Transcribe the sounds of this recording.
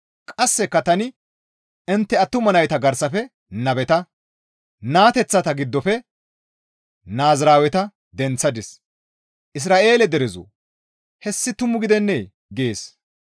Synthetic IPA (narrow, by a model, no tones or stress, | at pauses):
kʼɐsːɛkːɐt̪ɐnɪ | ɪnt̪ːɛɐt̪ːʊmɐnɐjt̪ɐɡɐɾsɐfɛ | nɐbɛt̪ɐ | naːt̪ɛt͡sːɐt̪ɐɡɪd̪ːɔfɛ | naːzɾaːwɛt̪ɐ | d̪ɛnt͡sːɐd̪ɪs | ʔɪs̬ɾaːʔe̞ːlɛd̪ɛɾɛzo̰ | hɛsːɪt̪ʊmːʊɡɪd̪ɛnːeː | ɡeːs